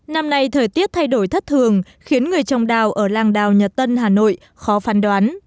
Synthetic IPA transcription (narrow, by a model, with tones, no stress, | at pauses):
na˧mna˧jt̪ʰəː˨˩jt̪i˦˥ət̚t̪ʰa˧jɗo˧˩jt̪ʰə˦˥t̚t̪ʰɨ˨˩əŋ | xi˨˦ənŋɨ˨˩əjt͡ɕɔ˨˩wŋ͡mɗaː˨˩wʔəː˧˩laː˧˩ŋɗaː˨˩wɲə˨˩t̚t̪ə˧nɦaː˨˩no̰˧˨j | xɔ˨˦faː˨˦nɗwaː˨˦n